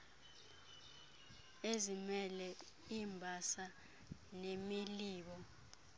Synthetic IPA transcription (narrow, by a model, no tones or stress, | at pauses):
ezimɛlɛ | iːmbʱasa | nemiliːɓɔ